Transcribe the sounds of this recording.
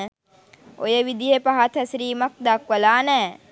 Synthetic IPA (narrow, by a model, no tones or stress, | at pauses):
o̰jəʋid̪ijepaɦat̪ʰəsɾiːmak̚d̪akʋəlaːnɛː